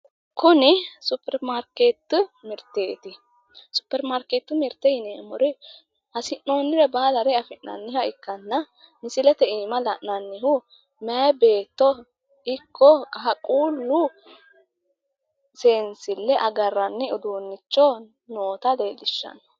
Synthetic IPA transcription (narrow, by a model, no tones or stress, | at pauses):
kʊnɪsʊpːɛɾmaɾkeːt̪ːʊmɪɾt̪ːeːt̪ɪ | sʊ̥pːɛɾmaɾkeːt̪ːʊmɪɾt̪ːɛjɪnemɔɾɛ | ɐsɪnːo̞ːnːɪɾɛbaːd̪ɐɾɛɐfɪnːɐ̰nːɪhɐɪkːɐnːɐ | mɪsɪlɛt̪ɛiːmɐlɐʔnɐnːɪhʊ | mɛɐbe̞ːt̪ːɔ | ɪkːɔkʼɐɐkʼuːlːʊ | seːnsɪlːɛʔɐɡɐrːɐnːɛʊd̪uːnːɪt͡ʃːɔ | noːt̪ɐd̪eːlɪʃːɐ̰n